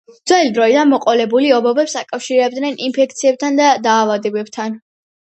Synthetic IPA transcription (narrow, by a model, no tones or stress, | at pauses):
d̪zwɛlid̪ɾɔid̪anmɔqʼɔlɛbuliɔbɔbɛpsakʼafʃiɾɛb̚d̪nɛninpʰɛk̚ʰt̪sʰiɛb̚t̪ʰand̪ad̪aːvad̪ɛbɛb̥̚t̪ʰan